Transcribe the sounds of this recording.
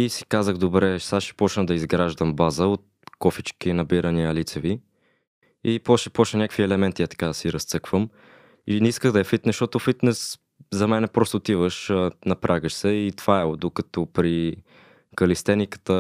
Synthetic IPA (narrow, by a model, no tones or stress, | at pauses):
isi̥kazəɣd̪obɾɛsaʃɛ̥pɔt͡ʃnəd̪ɐizɡɾaʒd̪əmbazəot̪̚ | kɔfit͡ʃkinɐbiɾəniəlit̪sɛvi | ipɔʃɛpɔt͡ʃnənʲakəkviɛlɛmɛnt̪iat̪ɐ̥kad̪ɐsiɾɐst̪sɤkv̥əm | inɛiskəɣd̪ɐjɐfit̪nɛʃt̪ɔt̪ʊfit̪nɛs | zɐmɛnɛpɾɔst̪ʊt̪ivəʃnɐpɾʔaɡəʃsɛit̪v̥aɛod̪okɐt̪ɔpɾi | kɐlist̪ɛnikə̥t̪ə